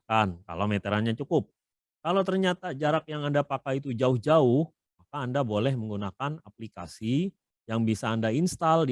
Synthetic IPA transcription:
anka̰lawmɛt̪əɾanɲat͡ʃukʊp̚ | kalawt̪ərɲat̪ad͡ʒaɾak̚jaŋandapakajit̪ud͡ʒaʊhd͡ʒaʊh | makaːndabolɛhməŋɡunakanap̚lika̰si | jaŋbisaːndainst̪al

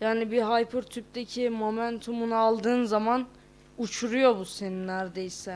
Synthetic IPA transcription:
jaːnibiɦajpʰuɾt̪ʰyp̚t̪ecʰimo̞mænt̪ʰumunalˠd̪ɯːnzaman | ut͡ʃʰuɾujo̞buseninæɾd̪ejsɛ

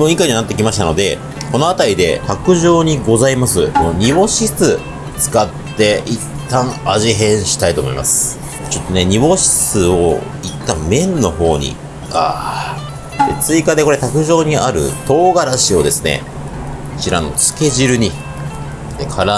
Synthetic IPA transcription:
mõikaiɲianat̪ːe̞kʲimaɕi̥t̪ano̞d̪e̞ | ko̞no̞at̪aɾʲid̪e̞̰t̪akɯ̟ʑo̞ːɲ̟iɡo̞zaimasɨnoɲ̟ibo̞ɕisɨ | t͡sɨ̥kat̪ːe̞ʔit̪ːãɰ̃aʑiɦẽ̞ɰ̃ɕi̥t̪ait̪o̞ːmo̞imasɨ̥ | t͡ɕo̞t̪ːo̞ne̞ɲ̟iβo̞ɕi̥sɨo̰ | it̪ːamẽ̞nːo̞ɦo̞ːɲ̟ḭ | aː | d̪e̞̰t͡sɨikad̪e̞ko̞ɾe̞t̪akɯ̟ʑo̞ːɲ̟iaɾɯ̟̰t̪o̞ːɡaɾaɕio̞d̪e̞sɨne̞̰ | ɕiɾano̞̰t͡sɨ̥ke̞ʑiɾɯ̟ɲ̟i | d̪ekʰaɾa

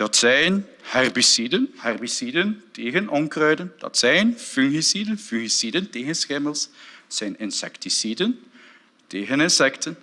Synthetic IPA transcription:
d̥ɑtsɛjn | hɛrbisidənhɛrbisidənteːɣənʔɔŋkrœɥdənd̥ɑ̰tsɛjnfyŋɣisidənfyɣisidənteːɣənsxɪməlˠsɛjnɪnsɛ̰ktisidən | teːɣənɪnsɛktən

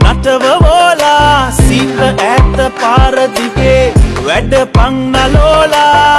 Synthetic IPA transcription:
nɐʈɐʋɐʋoːlaːsiːʈlɐʔɛt̪ːɐpaːɾɐt̪ikeʋɛɖəpɐŋnɐloːlaː

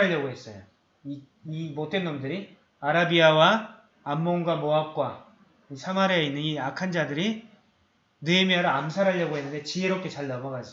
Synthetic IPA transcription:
aʎːʌɡoɦe̞s͈ʌjo | i | imot͈we̞nːomdɯɾi | aɾabiawaː | mːoŋɡwamoap̚k͈wa | isʰamaɾeeinːɯniakʰand͡ʑadɯɾi | nemiaɾɯamsʰaɾɦaʎːʌɡoɦe̞nːɯnde̞t͡ɕieɾop̚k͈e̞t͡ɕaɭːabʌɡad͡ʑi

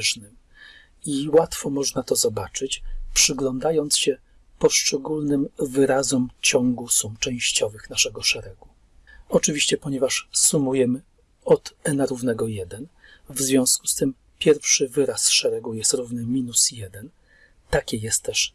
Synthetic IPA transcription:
ʐnɘm | iwat̪fɔmɔʐnat̪ɔzɔbat͡ʂɘt͡ɕpʂɘɡlɔnd̪ajɔnt̪sɕɛ | pɔʂt͡ʂɛɡulnɘmvɘɾazɔmt͡ɕɔŋɡusumt͡ʂɛ̃w̃ɕt͡ɕɔvɘxnaʂɛɡɔʂɛɾɛɡu | ɔt͡ʂɘvʲiɕt͡ɕɛpɔɲɛvaʂsumujɛmɘ | ɔt̪ɛnaɾuvnɛɡɔjɛd̪ɛnvzvʲjɔ̃w̃sku̥st̪ɘm | pʲjɛɾfʂɘvɘɾasʂɛɾɛɡujɛst̪ɾuvnɘmʲinusjɛd̪ɛn | t̪akʲɛjɛst̪ːɛʂ

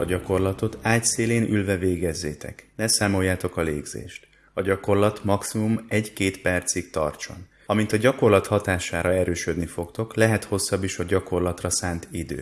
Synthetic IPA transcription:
ɒɟɒko̞rlɒt̪o̞t̪aːc̪seːleːnʔylvɛveːɡɛzːeːt̪ɛ̰knɛsaːmo̞jːaːt̪o̞kɒlḛːɡzḛːʃt̪ | ɒɟɒko̞rlɒt̪mɒksimumɛɟkeːt̪pɛrt̪sikt̪ɒ̰rt͡ʃo̰n | ɒmint̪ɒɟɒko̞rlɒt̪hɒt̪aːʃaːɾɒɛɾøːʃød̪nifo̞kt̪o̞klɛɦɛt̪ho̞sːɒbːiʃɒɟɒko̞rlɒt̪rɒsaːnt̪id̪ø̰ː

